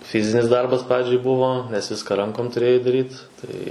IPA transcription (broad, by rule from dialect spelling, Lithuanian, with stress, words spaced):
ˈfʲɪzʲɪnʲɪs ˈdɐrbɐs ˈprɑːd͡ʒʲɛɪ ˈbʊʋoː nʲɛs ˈʋʲɪskɑː ˈrɐŋkoːm tʊˈrʲeːjɛɪ dɐˈrʲiːt ˈtɐɪ